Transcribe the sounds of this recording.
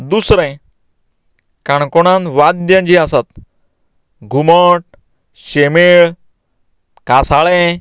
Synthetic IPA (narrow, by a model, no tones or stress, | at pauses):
d̪usɾɛ̃j | kaɳkɔɽ̃ãnʋad̪d̪jãɲd͡ʑiasat̪ | ɡʱuməʈ̚ | ɕemeɭ | kasaɭɛ̃